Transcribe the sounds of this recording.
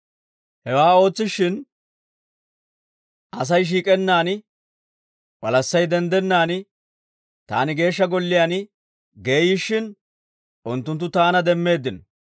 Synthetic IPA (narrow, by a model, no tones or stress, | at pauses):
hɛwaːo̞ːt͡sːɪʃɪn | ʔɐs̬ɐjʃ̬iːkʼɛnːaːnɪ | wɐlɐsːɐjd̪ɛnd̪ɛnːaːnɪ | t̪a̰ːnɪɡe̞ːʃːɐɡɔlːɪjanɪ | ɡeːjɪʃːɪn | ʔʊnt̪ːʊnt̪ːʊt̪aːnɐd̪ɛmːe̞ːd̪ːɪn